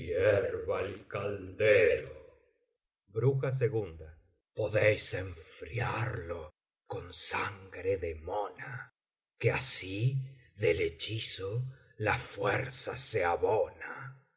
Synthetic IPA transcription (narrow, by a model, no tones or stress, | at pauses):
jeɾβaelkald̪eɾo | bɾuxas̬eɣund̪a | po̞ðejseɱfɾiaɾlo̞ | ko̞nsaŋɡɾeðemona | keasiðelet͡ʃiso | lafweɾsaseaβona